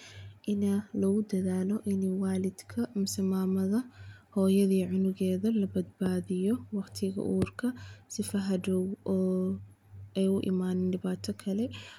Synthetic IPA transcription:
ʔɪnɐlɐɣʊd̪ɐðaːlɔʔɪnwɑːlɪd̪kʰɐmɪsɪmaːmɐðɐhɔːjɐðiːʕʊnʊɣɛːðɐlɐbɐd̪̚baːðɪjɔwɑqt̪ʰɪɣɐ̰ʔṵːrkʰɐsɪfɐɦɐdɔwɔː | ɛjʊʔɪ̰maːnɪnɖɪβaːt̪ʰɔkʰɐlɛ

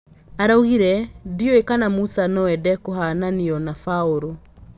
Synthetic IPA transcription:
aɾauhiɾɛdioekanamusanɔwɛdɛkoɦananiɔnafaoɾo

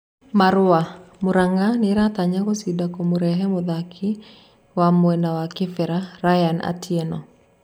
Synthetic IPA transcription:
maɾʊamʊɾaŋanɪɾat̪aɲakosidakomoɾɛɦɛmoðakʰɪ | wamwɛnawakɪfɛɾaɾajana̰tʰiɛnɔ

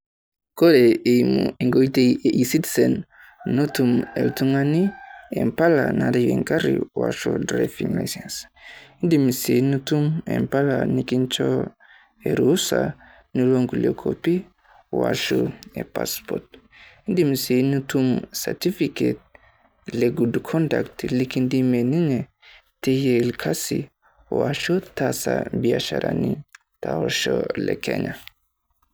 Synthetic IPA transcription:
koɾeeimṵiŋɡoiteʔisitisenː | otumeltuŋaniḛmpalanadejeŋkaɾḭwa̰ʃṵdɾafiŋla̰sensindimisenutumḛmpalanikint͡ʃɔ | eɾusa̰ | niloŋɡuliokʰopi | waʃuepaspɔt̚ | ndimisenutumsaɾtifiket̚ | leɡudkʰɔndaktlikindimeniŋe | tejelkʰasi | waʃotasabiaʃaɾʔani | taoʃɔlɛkʰɛɲa

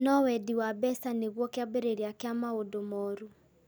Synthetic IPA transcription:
nɔwɛdiwabɛsaneɣwɔkeabeɾeɾiakeamaodomɔɾu

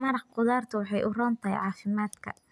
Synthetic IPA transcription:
mɐɾɑqqʊðaːrt̪ʰʊwɑħɑjʔʊrɔːnt̪ʰɐɦɛ̰jʕɑːfɪmaːd̪kʰɐ̰

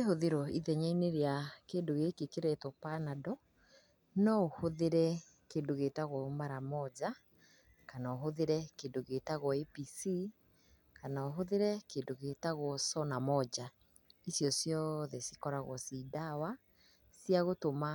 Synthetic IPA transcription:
ehoðeɾɔiðɛɲaineɾeakeːndoɣekekeɾɛtɔpanadɔ | nɔohoðeɾɛ | keːndoɣetaɣwɔmaɾamɔd͡ʒa | kanaoɦoðeɾɛkeːndoɣetaɣwɔepisi | kanaoɦoðeɾɛkeːndoɣetaɣwɔsɔnamɔd͡ʑa | isjɔsjɔðɛsi̥kɔɾaɣwɔsidawa | sijaɣotoma

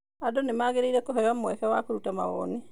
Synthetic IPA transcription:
adonemaːɣeɾeiɾɛkoɦɛjamwɛkɛwakoɾutama̰ɣɔ̰ːni

